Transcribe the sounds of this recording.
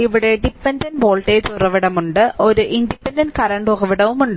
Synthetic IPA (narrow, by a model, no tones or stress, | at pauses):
iʋiɽeɖipːɐndɐnʋoːɭʈeːt̪urɐʋiɽɐmuɳɖɨʔoɾuʔindipːendɐnkɐɾɐɳɖoɣɐʋiɽɐʋumuɳɖɨ